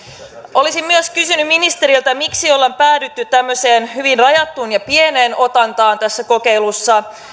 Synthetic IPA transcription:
ʔo̞lisimmyøskysynymminist̪e̞ɾilt̪æmiksiolːempæːdyt̪ːytt̪æmːøse̞ːnhyʋinrɑjɑt̪ːunjɑpie̞ne̞ːno̞t̪ɑnt̪ɑːnt̪æsːæko̞ke̞jlusːɑ

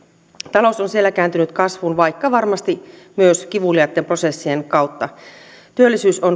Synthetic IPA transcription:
t̪ɑlo̞sonsie̞lːækæːnt̪ynyt̪kɑsʋunʋɑjkːɑʋɑrmɑst̪i | myøsk̟iʋuliɑt̪ːempro̞se̞sːienkɑwt̪ːɑ | t̪yølːisyːso̞n

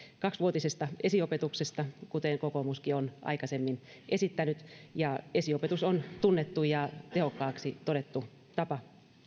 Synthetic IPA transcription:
kɑksʋuot̪isest̪ɑesiopet̪uksest̪ɑkut̪eŋkokomuskionʔɑ̰ikɑsemːinʔesit̪ːænyt̪jɑesiopet̪usont̪unːet̪ːujɑt̪ehokːɑːksit̪oɾet̪ːu | t̪ɑpɑ

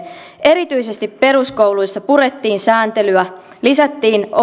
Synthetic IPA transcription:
e̞ɾit̪yijse̞st̪ipːe̞ɾusko̞wlujsːɑpuɾe̞t̪ːiːnsæːnt̪e̞lyæ | lisæt̪ːiːno

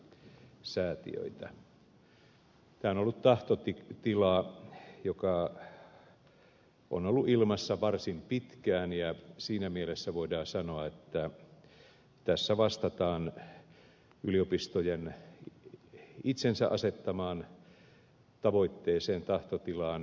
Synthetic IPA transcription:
sæːt̪ḭø̰it̪æ | t̪æːonolːut̪t̪ɑht̪ot̪it̪ilɑjokɑ | ʔo̰nolːuʔilmɑsːɑʋɑrsimpit̪kæːnjɑsiːnæmielesːæʋoidɑːsɑnoɑet̪ːæ | t̪æsːæʋɑst̪ɑt̪ɑːn | yliopist̪ojen | it̪sensæ̰ʔɑ̰set̪ːɑmɑːn | t̪ɑʋoit̪ːeːseːnt̪ɑht̪ot̪ilɑːn

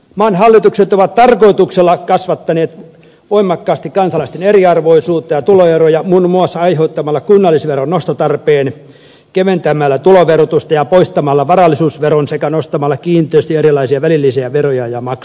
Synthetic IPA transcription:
mɑːnhɑlːit̪ukset̪oʋɑt̪t̪ɑrkoit̪ukselːɑkɑsʋɑt̪ːɑneːt̪ | ʋoimɑkːɑːst̪ikkɑnsɑlɑist̪eneriɑrʋoisuːt̪ːɑjɑt̪uloerojɑmunmuɑsːɑɑiheut̪ːɑmɑlːɑkunːɑlːisʋeronnost̪ɑt̪ɑrpeːn | keʋent̪æmælːæt̪uloʋerot̪ust̪ɑjɑpoist̪ɑmɑlːɑʋɑrɑlːisuːsʋeronsekænost̪ɑmɑlːɑkiːnt̪ˑeːst̪ieɾilɑisiɑʋælilːisiæʋerojɑjɑmɑk

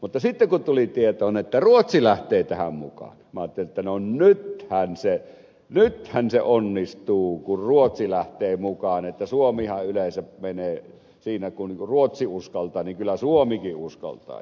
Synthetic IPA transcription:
mut̪ːɑsit̪ːeŋkunt̪ulit̪iet̪oːonet̪ːæruot̪silæht̪eːt̪æhæ̰mmṵkɑ̰ːnmæɑːt̪ːeliet̪ːænonnyt̪hænse | nyt̪hænsḛʔonːist̪uːkurruot̪silæht̪eːmukɑːnet̪ːæsuomihɑʔʔylensæpmeneː | siːnækunuruot̪siuskɑlt̪ˑɑːniŋkylːˑæsuomikiʔʔuskɑ̰lt̪ˑɑ̰ː

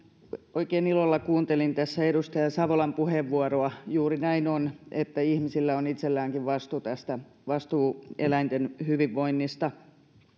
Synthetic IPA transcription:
oikeːnilolːɑkuːnt̪elint̪æsːæedust̪ɑjɑsɑʋolɑmpuheʋʋuɑroɑjuːrinæinonet̪ːæihmisilːæonit̪selːæːŋkiʋʋɑst̪ut̪æst̪æ | ʋɑst̪uːelæint̪enhyʋiʋːoinːist̪ɑ

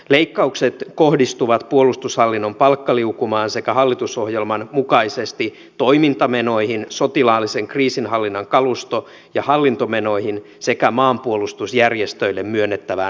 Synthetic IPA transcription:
le̞ikːɑukset̪ko̞hdist̪uʋɑt̪puo̞lust̪ushɑlːinːo̞mpɑlkːɑliukumɑːnse̞kæɦɑlːit̪uso̞hjelmɑnmukɑisest̪i | t̪o̞imint̪ɑmeno̞ihinso̞t̪ilɑːlːise̞ŋkriːsinɦɑlːinːɑŋkɑlust̪o | jɑhɑlːint̪o̞me̞no̞ihin | se̞kæmɑːmpuolust̪usjærjest̪ø̞ilːemmyønːet̪ːæʋæ

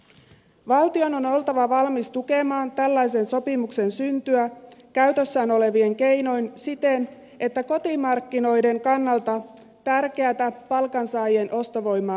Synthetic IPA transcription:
ʋɑlt̪io̞no̞no̞lt̪ɑʋɑʋɑlmist̪uke̞mɑːnt̪ælːæjse̞nso̞pimukse̞nsynt̪yækæyt̪øsːæːno̞le̞ʋieŋke̞jno̞jnsit̪e̞n | e̞t̪ːæko̞t̪imɑrkːino̞jde̞ŋkɑnːɑlt̪ɑ | t̪ærke̞æt̪æpɑlkɑnsɑːjenʔo̞st̪oʋo̞jmːɑː

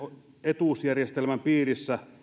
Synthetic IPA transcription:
o | et̪uˑsjærjest̪elmæmpiːrisːæ

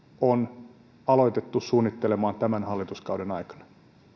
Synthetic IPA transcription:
on | ɑlo̞it̪et̪ːussuːnːit̪ːelemɑːnt̪æmænhɑlːit̪uskɑwdenɑikɑ̥nɑ̥

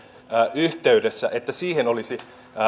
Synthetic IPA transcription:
ʔyht̪eydesːæʔet̪ːæsiːhenolisi

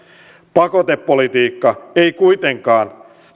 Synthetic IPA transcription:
pɑko̞t̪epːo̞lit̪iːkːɑejkujt̪eŋkɑːn

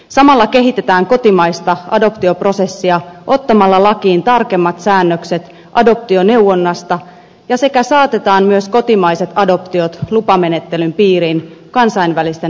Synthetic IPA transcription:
sɑmɑlːɑke̞ɦit̪e̞t̪æːŋko̞t̪imɑjst̪ɑʔɑ̰do̞pt̪io̞pro̞se̞sːiɑʔo̞t̪ːɑmɑlːɑlɑk̟iːnt̪ɑrke̞mːɑt̪sæːnːøkset̪ | ʔɑdo̞p̚t̪io̞ne̞wwːo̞nːɑst̪ɑ | jɑse̞kæsɑːt̪e̞t̪ɑːnmyøsko̞t̪imɑjse̞t̪ɑdo̞pt̪io̞t̪lupɑme̞ne̞t̪ːe̞lympiːɾiːn | kɑnsɑjnʋælist̪e

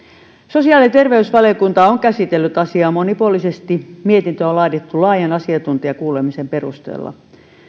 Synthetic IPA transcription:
sosiɑːlit̪erʋeysʋɑliokunt̪ɑoŋkæsit̪elːyt̪ɑsiɑːmonipuolisest̪imiet̪int̪øolɑit̪et̪ːulɑːjɑnɑsiɑt̪unt̪iɑkuːlemisemperust̪ḛːlːɑ̰

